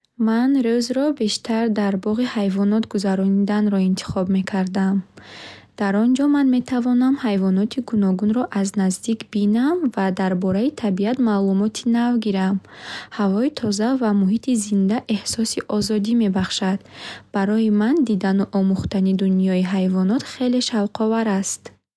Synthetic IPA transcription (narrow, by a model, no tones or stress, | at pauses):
manɾøzɾɔbe̞ʃt̪ʰaɾd̪aɾbɔʁihajvɔnɔt̪ɡuzaɾɔnid̪anɾɔint̪ʰi̥χɔbme̞kʰaɾd̪am | d̪̥aɾɔnd͡ʒɔmanme̞t̪ʰavɔnamhajvɔnɔt̪ʰiɡunɔɡunɾɔʔaznazd̪ikbinamvad̪aɾbɔɾait̪ʰabiat̪maːlumɔt̪ʰinavɡiɾamhavɔit̪ʰɔzavamuɦit̪ʰizind̪aʔe̞hsɔsiʔɔzɔd̪ime̞baχʃad̪b̥aɾɔimand̪id̪anuʔɔmuχt̪anid̪unijɔiɦajvɔnɔt̪χe̞le̞ʃavqʰɔvaɾast̪